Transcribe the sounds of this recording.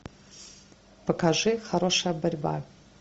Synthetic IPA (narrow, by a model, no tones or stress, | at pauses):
pɐkaʐɨxɐɾoʂɐjəbɐrʲba̰